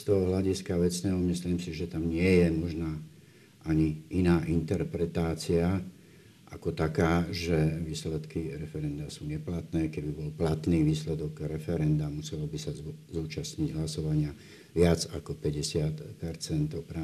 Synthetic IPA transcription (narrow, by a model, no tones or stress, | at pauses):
st̪ɔɦɔɦlaɟiskaʋɛt͡snɛːɦɔmisliːmsiʒɛt̪amɲɪɛjɛmɔʒnaː | ʔaɲiʔinaːʔint̪ɛɾpɾɛt̪aːt͡sia | ʔakɔt̪akaːʒɛʋiːslɛt̪kiɾɛfɛɾɛnd̪asuːɲɛplat̪nɛːkɛbibɔlplat̪niːʋiːslɛd̪ɔɡɾɛfɛɾɛnd̪amusɛlɔbisazuːt͡ʃasɲiɟɦlasɔʋaɲɪa | ʋɪad͡zakɔpɛɟɛsɪat̪pɛɾt͡sɛnt̪ɔpɾa